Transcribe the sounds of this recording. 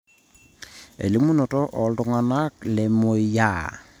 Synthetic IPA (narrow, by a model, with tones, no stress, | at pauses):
ḛ˨li˦mu˦no˨tɔ˦ʔɔ˨ldʊ˨ŋa˨na˦kle˨mo˨˦ja˦˨